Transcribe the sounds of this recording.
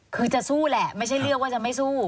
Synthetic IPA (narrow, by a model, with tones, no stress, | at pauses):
kʰɯː˧t͡ɕa˨˩ʔsuː˥˩lɛ˨˩ʔma˥˩jt͡ɕʰa˥˩jlɯ˥˩k̚wa˥˩t͡ɕa˨˩ma˥˩jsuː˥˩